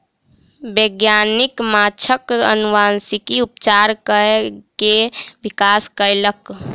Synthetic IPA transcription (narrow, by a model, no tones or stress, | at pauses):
bəɡjanikmat͡ʃʰəkə̰nuʋansikiupt͡ʃaɾkəkebikaskəjlək